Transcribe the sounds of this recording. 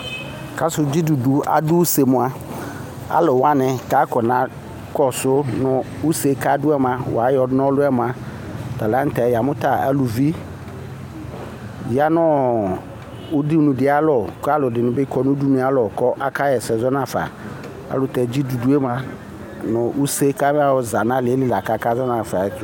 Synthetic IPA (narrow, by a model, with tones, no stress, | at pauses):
ka˦sʊ˨d͡ʑi˦du˨du˨a̰˨dʊ˦u˦se˨mʊ̃˨a˦ | a̰˦lɔ˨wa˦nɪ̃˨ka˨˦kɔ˨nã˨˦ | kɔ˦sʊ˦nʊ̃˨ | u˦se˨ka˦dʊ˦ɛ˦m˨ã˨wa˨˦jɔ˨dnɔ̃˦lʊ˦ɛ˦m˨a˨ | ta˨la˦n̩˦tɛ˨ja˨mʊ̃˦ta˨a̰˦lu˨vi˦ | ja˦nɔ˦ | ʊ˦di˦nũ˨dɪ˦a˦lɔ˨ka˦lʊ˨dɪ˨nʊ̃˨bɪ˦kɔ˦nʊ˦du˦nũ˨a˦lɔ˨kɔ˦ʔa˦ka˦jɛ˨sɛ˨zɔ˦nã˨fa̰˨ | a̰˨˦lʊ˨tɛ˨d͡ʑi˦du˨du˦e˦mã˦ | nʊ˨ʔu˦se˦ka˦m˦a˦wɔ˨za˨nã˦lɪ˨e˦lɪ˦˨la˨ka˨˦ka˦zɔ˦nã˨fa˨˦